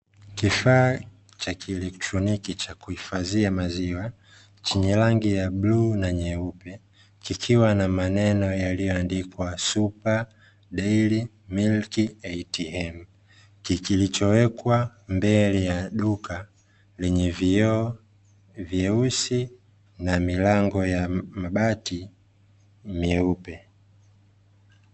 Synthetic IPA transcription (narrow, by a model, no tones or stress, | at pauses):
kifaː | t͡ʃakʰiɛlɛk̚tɾɔnikit͡ʃakuhifaziamaziwa | t͡ʃiɲɛlaŋɡijaɓluːnaɲɛupɛ | kikʰiwanamanɛnɔjalijɔandikwasupa | ɗɛili | milkiɛitiɛm | kikilit͡ʃɔwɛkwa | mbɛlɛjaɗuka | lɛɲɛv | vjɛusi | namilaŋɡɔjamaɓati | miɛupɛ